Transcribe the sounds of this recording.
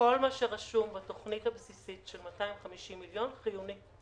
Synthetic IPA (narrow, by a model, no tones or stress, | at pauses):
o̞lmaʃeʁaʃumbato̞χnithabsisitʃelmataimχamiʃimːiljo̞nχijuni